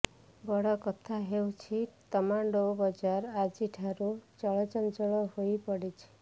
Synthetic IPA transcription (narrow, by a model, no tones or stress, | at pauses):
bɔɽɔkɔt̪ʰaɦewt͡ʃʰit̪ɔmaɳɖobɔd͡ʒaɾad͡ʒiʈʰaɾut͡ʃɔɭɔt͡ʃɔnd͡ʒɔɭɔhojpɔɽit͡ʃʰi̥